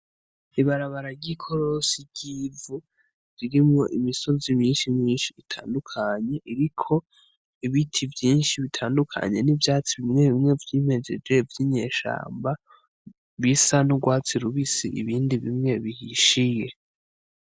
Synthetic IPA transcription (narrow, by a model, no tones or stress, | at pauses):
iβaɾaβaɾaɟikʰoɾosiɟ̥ivu | ziɾimŋo̞ʔimiso̞zimiːnʃimɲiːnʃiːtʰaːndukʰaɲe̞ʔiɾikʰo̞ | iβitʰivjiːnʃiβitʰaːndukʰa̰ɲe̞nivjaːt͡siβimŋe̞βimŋe̞vjiːme̞d͡ʒe̞̰d͡ʒɡe̞vjiɲe̞ːʃa̰ːmba | βisanuɡwaːt͡siɾuβisiʔḭβiːndiβimŋe̞βihiʃije̞